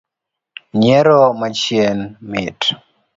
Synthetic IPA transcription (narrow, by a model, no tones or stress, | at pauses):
ɲɛɾɔmat͡ʃjɛnmɪt